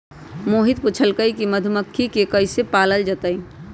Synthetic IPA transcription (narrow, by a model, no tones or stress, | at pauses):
moːɦɪd̪̚pʊt͡ʃʰəlkəikiməd̪ʱʊməkʰːikekəisepaːləld͡ʒət̪əi